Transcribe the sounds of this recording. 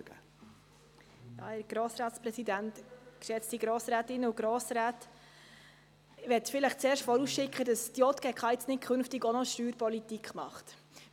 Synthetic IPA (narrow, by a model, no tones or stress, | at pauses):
ɡə | jɑ̰ːæːɾɡ̥ɾɔːsɾɑːt̪spɾɛsidæntkʃɛt͡stiɡɾɔːsɾæːtɪnːəuɡ̥ɾɔːsɾæːt | ʋɛtfɪləχt͡sɛːɾʃtfɔɾusʃɪkχədɑsd̥jɔt̪kɛkχɑjt͡snɪt̚kʰχʏnftɪɡɔnɔʃtyːɾpɔlitikχmɑ̰χt